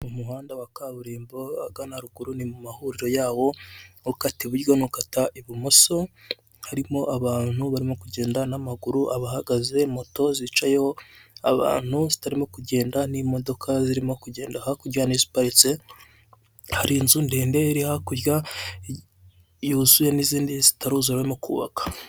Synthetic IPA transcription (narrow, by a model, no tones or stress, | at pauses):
umuɦaːndawakaβuɾiːmboaɡanaɾuɡuɾunimumahuɾiɾo̞jaːβo̞ukatiβuɾɡo̞nukataʔiβimoso | haɾimo̞ʔaβaːn̥huβaɾimo̞kuɟe̞ːndanamaɡuɾuʔaβahaɡaze̞mo̞to̞zit͡ʃajooaβa̰ːn̥huzitaɾimo̞kuɟe̞ːndanimo̞do̞kʰaziɾimo̞kuɟe̞ːndahakuɾjanizi̥paɾit͡se̞ | haɾinzundeːnde̞iɾihakuɾja | juzuje̞niziːndizi̥taɾuːzaɾwemokʰṵːβa̰kḁ